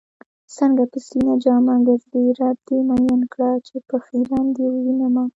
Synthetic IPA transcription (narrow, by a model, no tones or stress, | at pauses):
səŋɡapəsinad͡ʒɑmaɡəɾd̪əɾɑd̪̚d̪emajɑnkɽat͡ʃepəxilɑnd̪ewwinama